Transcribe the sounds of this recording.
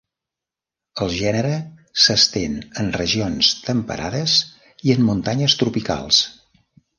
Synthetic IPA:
əlˠʒɛnəɾə | səst̪enənrəʒionst̪əmpə̰ɾʔaðəs | iəmːunt̪aɲəst̪ɾupika̰lˠs

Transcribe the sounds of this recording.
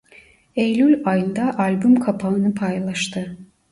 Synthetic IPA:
ejlʲylʲajɯnd̪aʔalʲbumkʰapʰaɯnɯpʰajlˠaʃt̪ʰɯ

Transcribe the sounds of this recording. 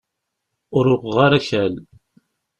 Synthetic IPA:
ʊɾʊqʁaɾaçæl

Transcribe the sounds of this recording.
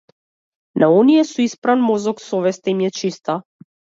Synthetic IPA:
nʔaɔnijɛsuispɾanmɔzɔksɔvɛst̪aimijɛt͡ʃist̪a

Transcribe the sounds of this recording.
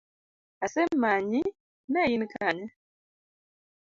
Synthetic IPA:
asɛmaɲi | najinikʰaɲa

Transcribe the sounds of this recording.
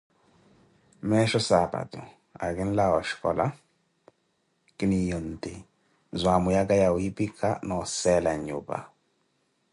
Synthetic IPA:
mɛʃɔsaba̰tu | a̰ɡɛnlawaʃkɔ̰la̰ | kinijonte | zwamujaɡajawipikʰanɔsɛlaɲṵba̰

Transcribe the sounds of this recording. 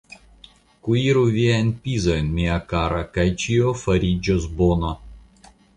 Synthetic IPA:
kuiɾuvʲianʲpʲizɐjnmʲiakaɾɐkajt͡ʃijofɐɾʲid͡ʒɔzbono

